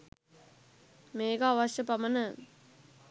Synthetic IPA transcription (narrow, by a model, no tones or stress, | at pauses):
meːɡaːʋɐʃjɐpɐmɐnɐ